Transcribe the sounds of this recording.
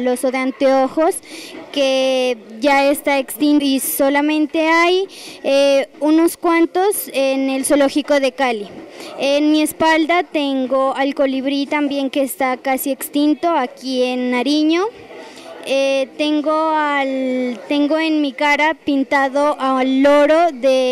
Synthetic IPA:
losoðeant̪eoxoskeʝaest̪aekst̪inisolamẽ̞nt̪e̞ajeunoskwant̪o̞sene̞lsoloxikoðe̞kalienmiespald̪at̪eŋɡoalko̞liβɾit̪ambje̞ŋke̞ːst̪akasiekst̪int̪oakienːaɾiɲo | et̪e̞ŋɡoalt̪e̞ŋɡoenmikaɾapint̪aðoʔaloɾoðe

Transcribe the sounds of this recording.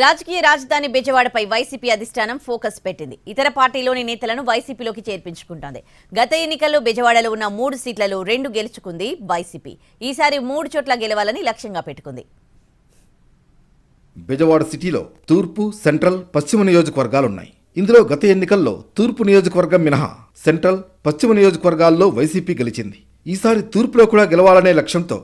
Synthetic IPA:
ɾaːd͡ʒɐkiːjɐɾaːd͡ʒɐd̪ʱaːnibɛd͡ʒɐʋaːɽɐpɐjʋɐjsiːpiːɐd̪ʱisʈʰaːnɐmpʰoːkɐspe̞ʈːind̪iit̪ɐɾɐpaːɾʈiːlo̞ːninɛːt̪ɐlɐnuʋɐjsiːpiːlo̞ːk̬it͡ʃe̞ːɾpiɲt͡ʃu̥kuɳʈond̪i | ɡɐt̪ɐe̞nːikɐlːoːbɛd͡ʒɐʋaːɽɐloːunːɐmuːɽusiːʈlɐluɾe̞ɳɖuɡe̞lut͡ʃu̥kund̪iʋɐjsiːpḭː | iːsaːɾimuːɽut͡ʃoːʈlɐɡeluʋaːlɐnilɐkʂjɐŋɡaːpe̞ʈːukund̪ḭ | bɛd͡ʒɐʋaːɽɐsiʈiːlo̞̰ːt̪uːɾpuseɳʈɾɐlpɐst͡ʃimɐnijo̞ːd͡ʒɐkɐʋɐɾɡaːlunːa̰ːji | ind̪ulo̞ːɡɐt̪ɐe̞nːikɐlːo̞̰ːt̪uːɾpunijo̞ːd͡ʒɐkɐʋɐɾɡɐmːinɐɦɐ̰ | se̞ɳʈɾɐl | pɐst͡ʃimɐnijoːd͡ʒɐkɐʋɐɾɡaːlːo̞ːʋɐjsiːpiːɡelit͡ʃind̪i | iːsaːɾit̪uːɾpulo̞ːkuːɽaːɡɛlɐʋaːlɐne̞ːlɐkʂjɐnt̪o̞̰ː

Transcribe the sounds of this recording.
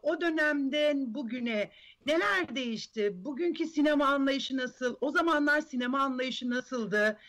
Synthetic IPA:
o̞d̪ø̞næmd̪ɛnbuɟynɛ | ne̞lʲæɾd̪e̞jiʃt̪ʰɪbuɟyncʰisine̞maːnlˠajɯʃɯnasɯlˠo̞zamanlˠaɾsine̞maːnlˠajɯʃɯnasɯlˠd̪ɯ

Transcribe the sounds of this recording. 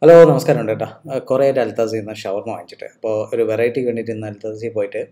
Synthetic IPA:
hɐloːnɐmɐskaːɾɐmuɳɖɐʈːaːkureeʈːɐlt̪ːas̬inːɐɕɐʋɐrnɨʋa̰ːɳit͡ɕːi̥ʈːɨ̰ɐpːoːoɾuʋerɐjiʈːikʋe̞ːɳɖiʈːunːɨɐlt̪ːaːsipoːjiʈːɨ

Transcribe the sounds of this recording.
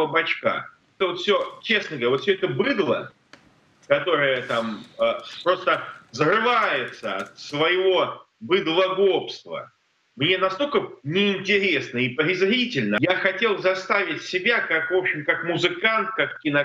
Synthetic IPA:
əbɐt͡ɕka̰ | ɛt̪əvo̞t̪fsʲo̞t͡ɕe̞snəɡəvɐɾʲaot̪fsʲoɛt̪əbɨd̪lˠə̰ | kɐt̪o̞ɾɨjət̪aməpɾo̞st̪əzrɨvajɪt̪səɐt̪svəjɪvo̞ | bɨd̪lˠɐɡopst̪və̰ | mnʲe̞nɐst̪o̞lʲkənʲɪɪnʲtʲɪɾʲe̞snəipɾʲɪzɾʲitʲɪlʲnəjaxɐtʲe̞lˠzɐst̪avʲɪtʲsʲɪbʲakakvo̞pɕɪmkakmʊzɨkant̪̚kakkʲɪnɐ

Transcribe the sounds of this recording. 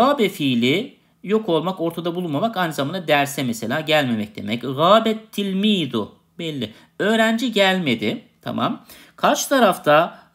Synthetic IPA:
aːbɛfiːlʲɪ | jo̞kʰo̞lˠmako̞ɾt̪ʰad̪abulˠunmamakajnɯzamaːnad̪æɾsɛmɛse̞lʲaːɟælʲme̞mɛc̚d̪̥e̞̰mɛcɣaːbɛt̪ʰːilʲmijd̪ʊ | bɛlʲːɪ | ø̞ːɾænd͡ʒiɟælʲme̞d̪ɪt̪ʰa̰ma̰m | kʰaɾt͡ʃt̪ʰaɾaft̪ʰa

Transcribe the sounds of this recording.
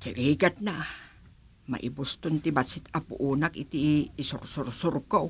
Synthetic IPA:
kiɾiɡat̪̚naʔ | ma̰ʔḭbust̪unt̪ibasit̪apṵʔunakit̪iːsursursurkou

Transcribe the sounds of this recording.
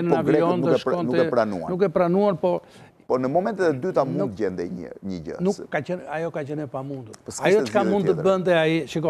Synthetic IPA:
nnavɔnɛʃɔnuɛkɛpɾanṵanukɛpɾanuaɾpɔ | pɔnəmɔmɛ̃nt̪ɛðɛd̪yt̪amũnd̪ɟɛnd̪ɛɲə̰ɲəɟə̰nukːat͡ʃɛnajɔkat͡ʃɛnɛpamũnd̪uɾpəsajɔt͡ʃə̥kamund̪̚t̪əbənt̪ɛaiʃikɔ

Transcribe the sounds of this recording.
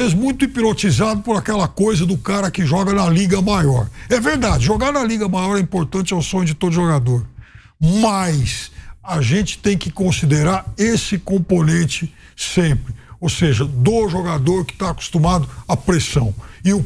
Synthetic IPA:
ezmũj̃t̪ʊipiɾot͡ʃizad̪ʊpʊɾakɛlɐkojzɐd̪ʊkaɾɐkɪʒɔɡɐnɐliɡɐmajɔɾɛveɾd̪ad͡ʒɪʒoɡaɾnɐliɡɐmajɔɾɛĩpoɾt̪ɐ̃t͡ʃɪɛwsõɲʊd͡ʒɪt̪od̪ʊʒoɡad̪oɾ | mɐjsaʒẽt͡ʃɪ̥t̪ẽj̃kɪkõsid̪eɾaɾesɪkõponẽnt͡ʃɪ | sẽpɾɪowseʒɐd̪ʊʒoɡad̪oɾkɪ̥t̪aːku̥st̪umad̪ʊɐpɾesɐ̃w̃ɪʊ

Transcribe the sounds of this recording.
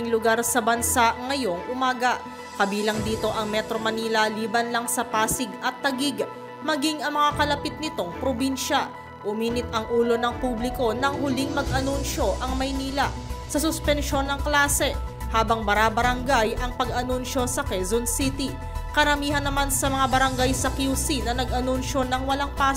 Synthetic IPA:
ŋlʊɡaɾsɐbɐnsaʔŋɐjo̞ŋʔʊmaːɡɐʔ | kɐbiːlɐŋd̪iːt̪o̞ʔɐŋmɛt̪ɾo̞mɐniːlɐliːbɐnlɐŋsɐpaːsɪɡɐt̪ːɐɡiɡ | mɐɡiŋʔɐŋmɐŋakɐlɐpɪt̪̚nɪt̪o̞ŋpɾobinʃɐ | ʔʊmiːnɪt̪̚ɐŋʔuːlo̞nɐŋpublɪko̞nɐŋhʊliŋmɐɡʔɐnunʃo̞ʔɐŋmɐjniːlɐsɐsʊspɛnʃo̞nːɐŋklaːsɛ | haːbɐŋbɐɾabɐɾɐŋɡajʔɐŋpɐɡʔɐnunʃo̞sɐkɛzonsit̪i | kɐɾɐmiːɦɐnːɐmansɐmɐŋabɐɾɐŋɡajsɐkjusinɐnɐɡʔɐnunʃo̞nɐŋwɐlaŋpa

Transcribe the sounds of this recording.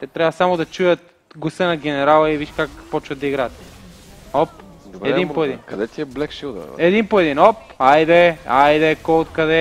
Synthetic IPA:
t̪ɛt̪ɾʲabɐsamod̪ɐt͡ʃujɐt̪̚ | ɡosənɐɡʲɛnɛɾalˠɐiviʃkakpɔt͡ʃvɐd̪ɐiɡɾaːt̪ | ɔp | d̪ɾɛinoɛd̪inkɐd̪ɛt̪iɛblɛkʃid̪̰ɛd̪inpoɛd̪inɔpajd̪ɛajd̪ɛkɔot̪kɐd̪ɛ

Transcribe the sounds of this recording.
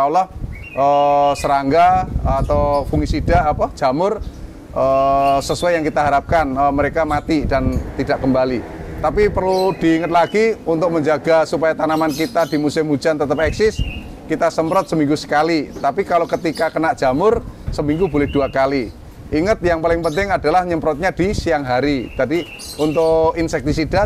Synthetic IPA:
alɔh | ʔəsəɾaŋɡaat̪ofuŋisid̥aʔapḁd͡ʒ̥a̤mʊr | ʔəsəsuajaŋkit̪aɦaɾap̚kanəməɾekamat̪id̥ant̪id̥aʔkəmbalit̪apipərlud̥iːŋət̪̚laɡiunt̪ʊk̚məɲd͡ʒaɡasupajat̪anamankit̪adimusɪmu̥d͡ʒant̪ət̪əp̚ɛksɪs | kit̪asəmpɾɔt̪̚səmĩŋɡusə̥kalit̪apikalokət̪ikakənaʔdd͡ʒ̥amʊrsəmiŋɡubolɪhd̥uakali | ʔiŋət̪̚jaŋpalɪŋpənt̪ɪŋadalahɲəmpɾɔt̪̚ɲad̥isijaŋɦaɾid͡ʒ̥adi | unt̪ʊʔinsɛk̚t̪isida

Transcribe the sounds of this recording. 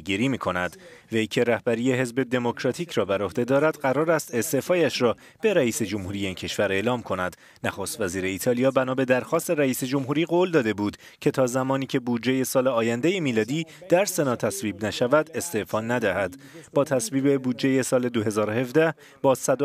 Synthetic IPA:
ɡiɾiːmiːkʰo̞næd̪vejcʰe̞ɾæhbæɾije̞ɦe̞zbe̞d̪e̞mo̞cʰɾɒːt̪ʰiːcʰɾɒːbæɾo̞hd̪ed̪ɒːɾæd̪̥ɢæɾɒːɾæst̪e̞st̪e̞ʔfɒːjæʃɾɒː | b̥e̞ɾæiːse̞d͡ʒo̞mhuːɾije̞iːncʰe̞ʃvæɾe̞ːlɒːmkʰo̞næd̪̥ | næxost̪væziːɾe̞iːt̪ʰɒːlijɒːbænɒːbe̞d̪æɾxɒːst̪e̞ɾæiːse̞d͡ʒo̞mɦuːɾiːɣold̪ɒːd̪e̞buːd̪̥ | cʰe̞t̪ʰɒːzæmɒːniːcʰe̞buːd̪d͡ʒeje̞sɒːle̞ɒːjænd̪e̞je̞miːlɒːd̪iːd̪̥æɾse̞nɒːt̪ʰæsviːbnæʃævæd̪e̞st̪e̞ʔfɒːnæd̪æhæd̪̥ | bɒːt̪ʰæsviːbe̞buːd̪d͡ʒeje̞sɒːle̞d̪o̞ɦe̞zɒːɾohe̞vd̪æh | bɒːsæd̪o

